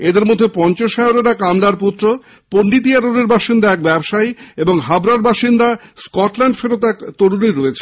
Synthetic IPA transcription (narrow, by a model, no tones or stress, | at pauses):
ed̪eɾmod̪ʱːepɔnt͡ɕoʃɛoɾeɾakamlaɾput̪ːɾo | ponɖit̪̬iaɾoneɾbaʃind̪aɛk̚bɛbʃajeboŋɦabɾaɾbaʃind̪askɔʈlɛɳɖfeɾot̪ɛkt̪oɾuniɾoet͡ɕʰe